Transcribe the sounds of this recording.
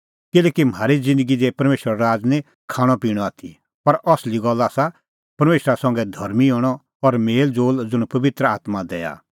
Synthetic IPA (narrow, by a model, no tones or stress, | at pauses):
kɪlɛːkim̤aːɾid͡zɪ̃nd̪əɡid͡zɛpɐɾmeːʃəɾaɾaːd͡znɛ̃ | kʰaːɽ̃ɔpiːɽ̃ɔaːt̪ʰi | pɐɾʔɔsliɡɔlaːsa | pɐɾmeːʃɾasɐ̃ŋɡɛd̪ʱɐɾmiɔːɽ̃ɔ | ɔɾmeːld͡zoːld͡zʊɽ̃pɐʋɪt̪ɾəaːt̪mad̪ɛːja̰